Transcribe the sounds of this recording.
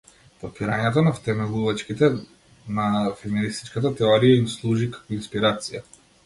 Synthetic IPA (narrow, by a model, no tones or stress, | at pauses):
pɔpiɾaɲɛt̪̬ɔnaft̪ɛmɛlˠuvat͡ʃkit̪ɛ | nafɛminist̪i̥t͡ʃkat̪̬at̪ɛɔɾijaimslˠuʒikḁkɔinspiɾat̪sija